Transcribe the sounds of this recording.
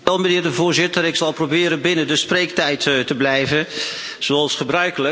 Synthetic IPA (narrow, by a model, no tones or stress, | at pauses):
ɛlˠmənɪːɹdəvʊːɹzɪtəɾɪksɑlˠprobɪːɾənbɪnədəsprejk̚tɛjttəblɛjvən | z̥oɑlˠsχəbrœɥkələ